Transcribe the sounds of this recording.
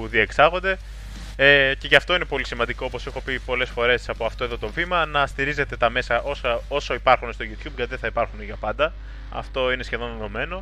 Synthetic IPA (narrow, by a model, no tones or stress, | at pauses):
uðieksɐɣo̞nd̪e̞ | ece̞ʝɐft̪o̞ine̞po̞lisimɐnd̪iko̞opo̞se̞xo̞pipo̞le̞sfo̞ɾe̞sɐpoɐft̪o̞e̞ðo̞t̪ovimɐnɐst̪iɾize̞t̪e̞t̪ɐme̞sɐʔo̞sɐo̞so̞ipɐɾxunest̪o̞ʝut̪ç̥ubʝɐt̪iðeθɐipɐɾxuneʝɐpɐnd̪ɐ | ɐ̰ft̪o̞ine̞sçe̞ðo̞nono̞me̞no̞